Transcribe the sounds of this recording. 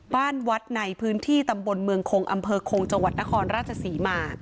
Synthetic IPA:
baː˥˩nwa˦˥t̪̚na˧jpʰɯː˦˥nt̪ʰiː˥˩t̪a˧mbo˧nmɯ˧əŋkʰoː˧ŋʔa˧mpʰɤː˧kʰoː˧ŋt͡ɕa˧ŋwa˨˩t̪̚na˦˥kʰɔː˧nɾaː˥˩t̪̚t͡ɕʰa˧siː˩˦maː˧

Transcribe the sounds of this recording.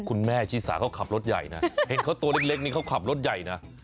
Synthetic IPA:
kʰu˧nmɛː˥˩t͡ɕʰiː˦˥˩sa̰ː˩˦kʰa˦˥˩wkʰa˨˩p̚lo˦˥t̪̚ja̰˨˩jna˦˥he˨˦nkʰa˦˥wt̪u˧ɐ˧le˦˥k̚le˦˥k̚niː˥˩kʰwkʰa˨˩p̚lo˦˥t̪̚ja˨˩jna˦˥

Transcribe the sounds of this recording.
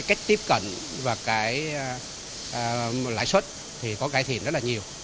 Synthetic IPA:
jka˦˥jk̟̚t̪i˦˥p̚kə̰˧˨n | vaː˨˩kaː˨˦j | la̰ː˧˨jswə˦˥t̚ | t̪ʰi˨˩kɔ˨˦kaː˨˧˦jt̪ʰi˨˩ənzt̚laː˨ɲi˨˩əw

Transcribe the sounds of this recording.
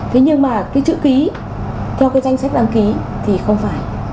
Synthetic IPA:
t̪ʰe˨˦ɲɨ˧ŋmaː˨˩kaː˨˦jt͡ɕɨ̰˧˨ki˨˦ | t̪ʰɛ˧wkaː˨˦jza˧jŋ̟sa˦˥k̟̚ɗa˨˧˦ŋki˨˦t̪ʰi˨˩xə˧wŋ͡mfaː˧˩j

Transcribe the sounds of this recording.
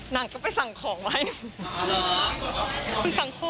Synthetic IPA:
na˨˩˦ŋkaː˥˩pa˨jsa˨˦ŋkʰɔː˩˦ŋma˦˥˧ | kʰu˧nsa˨˩˦ŋkʰo˧

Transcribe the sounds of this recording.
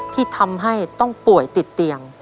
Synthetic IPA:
t̪ʰiː˥˩t̪ʰa˧mɦa˥˩jt̪ɔ˥˩ŋpu˨˩əjt̪i˨˩t̪ːi˧əŋ

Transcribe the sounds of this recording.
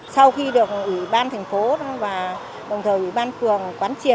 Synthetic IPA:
sa˧wxi˧ɗɨ˨˩ək̚ʔwḭ˧˨ɓaː˧nt̪ʰɛ˨˩jŋ̟fo˨˦ɗvaː˨˩ | ɗə˨˩wŋ͡mt̪ʰəː˨˩jʔwḭ˧˩ɓaː˧nfɨ˨˩əŋː˨˩kwaː˨˦nt͡ɕi˨˩ə

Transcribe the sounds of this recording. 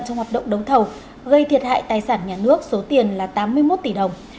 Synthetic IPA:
nt͡ɕɔ˧ŋ͡mhaː˨˩tɗə̰˧˨wŋ͡mɗə˨˦wt̪ʰə˨˩w | ɣə˧jt̪ʰi˨˩ət̚ha̰ː˧˨jt̪aː˨˩jsaː˧˩nɲaː˨˩nɨ˦˥ək̚so˨˦t̪i˨˩ənlaː˨˩t̪aː˨˦mːɨ˧əjmo˦˥t̚t̪i˧˩ɗə˨˩wŋ͡m

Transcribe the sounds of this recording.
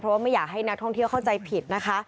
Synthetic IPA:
pʰɾɔ˦waː˥˩ma˥˩jːaː˨˩k̚ɦa˥˩jna˦˥k̚t̪ʰɔ˥˩ŋt̪ʰi˥˩əwkʰa˥˩wt͡ɕa˧jpʰi˨˩t̪̚na˦˥kʰa˦˥

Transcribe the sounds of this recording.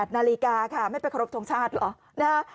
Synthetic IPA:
t̪̚naː˧li˦kaː˧kʰa˥˩ma˥˩jpa˧jkʰa˧ɾo˦˥p̚t̪ʰo˧ŋt͡ɕʰaː˥˩t̪̚lɔ̰ː˨˦ | na˦˥

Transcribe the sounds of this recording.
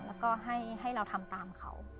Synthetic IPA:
lɛː˦˥wkɔː˥˩ɦa˥˩jɦa˥˩jɾa˧wt̪ʰa˧mt̪aː˧mkʰa̰˦˥w

